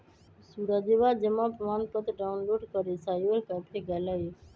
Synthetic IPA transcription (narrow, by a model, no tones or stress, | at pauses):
suɾad̪eʋad͡ʒəmãpəmaːnpət̪ɖaʊnloːɖkəɾesajoəlkapʰeɡɛlə